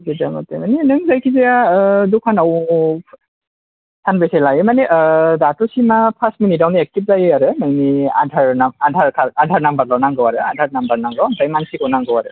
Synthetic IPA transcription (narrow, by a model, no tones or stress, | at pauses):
zidama̰temanenɯŋzajkʰizijadukʰanaw | sʰanbesajlajɯmaneʔdatɔsimapʰastminidawniek̚tip̚zajɯaɾɯmajnia̰dʱaɹnaadʱaɾkʰaadʱaɾnambaɾlɔnaŋɡɯwaɾɯa̰dʱaɾnambaɾnaŋɡɔwantajmansikɔwnaŋɡɯwaɾɯ̰